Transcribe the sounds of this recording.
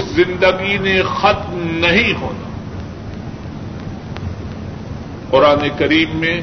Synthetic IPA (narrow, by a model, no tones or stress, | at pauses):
ɪszɪ̃nd̪əɡinexɐt̪̚mnɐɦĩɦo̰ːna̰ | qʊɾaːnekɐɾiːbːẽ